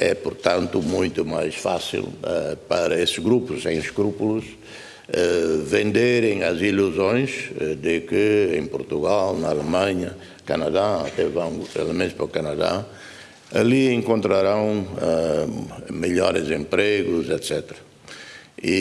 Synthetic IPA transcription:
ɛpʊɾt̪ãnt̪umũj̃t̪umajsfa̰sḭlɛpɐɾɐesɨɡɾupusẽj̃ʃkɾupuluz | ɛvẽnd̪eɾẽj̃ɐziluzõj̃zd̪ɨkɨẽj̃puɾt̪uɣalnɐalemãɲɐ | kɐnɐðaɐ̰t̪ɛvãw̃ḛlemẽnt̪pɾɐkanɐða̰ | ɐliẽŋkõnt̪ɾaɾãw̃ɛ | meʎɔɾɨzẽmpɾeɣuzɛt̪sɛt̪ɾɐ | i

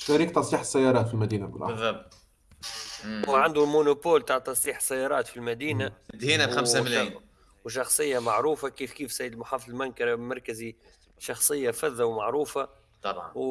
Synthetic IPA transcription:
ʃæɾiːk̚t̪ɑsˤiːħəsːæjːɑɾˤɑːt̪filmæd̪iːnabəlʔɑ̰bðːɑbt̪ˤ | wʕand̪ulmʊnopoːlt̪aːʕt̪ɑsˤiːħə̥sːæjːɑːɾˤɑːt̪filmæd̪iːnad̪iːnabxammml | wʃ̬ɑxsˤɨjːamaʕɾuːfakiːfkiːfsæjːəd̪əlmʊħaːfðˤlmaŋkɑɾmɑɾˤkəzi | ʃɑxsˤɨjːafæðːawmaʕɾuːfa | t̪ɑbʕ

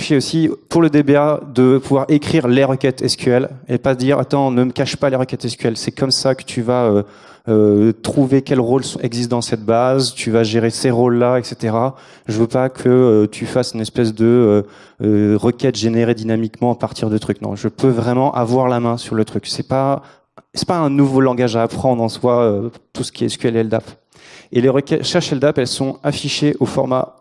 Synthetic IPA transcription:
ɛosipuʁləd̪ebead̪əpuvwaʁekχiʁleʁəkʲɛt̪ʰɛskʲɥɛlḛpad̪iʁa̰t̪ɑ̃nəməkaʃpaleʁəkʲɛt̪ɛskʲɥɛlsɛkʰɔmsakə̥t̪ʰyvaø | øt̪χuvekʲɛlʁolsɔ̃ɛɡzist̪̚d̪ɑ̃sɛt̪̚bazt̪ʰyvaʒeʁeseʁolːaɛkset̪eʁa | ʒəvøpakʰəøt̪ʰyfasynɛspɛsd̪əø | øʁəkʲɛt̪ʒeneʁed̪inamikmɑ̃apaʁt̪ʰiʁd̪ət̪χyknɔ̰̃ʒəpøvʁɛmɑ̃ʔavwaʁlamɛ̃syʁlət̪χyksɛpa | sɛpaɛ̃nuvolɑ̃ɡaʒaːpχɑ̃d̪ʁɑ̃swaøt̪usə̥kʲiɛskʲɥɛlɛld̪ap | eleʁəkʲɛt̪ʃɛʁʃɛld̪apɛlsɔ̃afiʃeʔofɔʁma̰

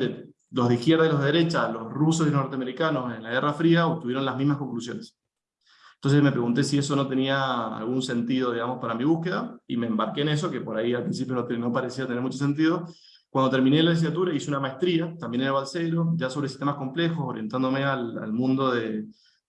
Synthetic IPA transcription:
e | lo̞zðeixkjeɾðailoðeðeɾe̞t͡ʃalo̞srusos̬ilonoɾt̪eame̞ɾikano̞se̞nlaɣerafɾiaop̚t̪uβjeɾo̞nlazmiɦmahko̞ŋklusjo̞̰nes | ent̪o̞nsesme̞pɾe̞ɣunt̪e̞sieso̞no̞t̪e̞niaa̰lɣunse̞nt̪iðo̞ð̞iɣamo̞spaɾamiβuhke̞ðaḭmeːmbaɾkeːne̞s̬o̞ke̞po̞ɾaialpɾins̬ipjo̞not̪no̞paɾesiat̪eneɾmut͡ʃo̞s̬e̞nt̪̬iðo̞ | kwand̪ot̪eɾmĩne̞lales̬iat̪uɾaisounamaet̪ɾiat̪ambjenenelβalse̞ɾo̞ʒaso̞βɾes̬i̥t̪emasko̞mplexo̞soɾje̞nt̪and̪o̞meala̰lmũnd̪o̞ðe̞

